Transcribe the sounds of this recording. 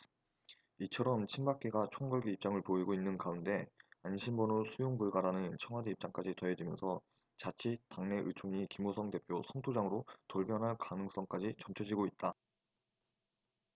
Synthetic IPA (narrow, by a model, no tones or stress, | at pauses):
it͡ɕʰʌɾʌmt͡ɕʰinbak͈eɡat͡ɕʰoŋɡʌɭɡiip̚t͡ɕ͈aŋɯɭpoiɡoinːɯnkaunde̞anɕʰimbʌnosʰujoŋbuɭɡaɾanɯnt͡ɕʰʌŋɦadeip̚t͡ɕ͈aŋk͈ad͡ʑitʌed͡ʑimjʌnsʰʌ | t͡ɕat͡ɕʰitaŋne̞ʔɯt͡ɕʰoŋikimosʰʌŋte̞pʰjosʰʌŋtʰod͡ʑaŋɯɾotoɭbjʌnɦaɭkanɯŋs͈ʌŋk͈ad͡ʑit͡ɕʌmt͡ɕʰʌd͡ʑiɡoit̚t͈a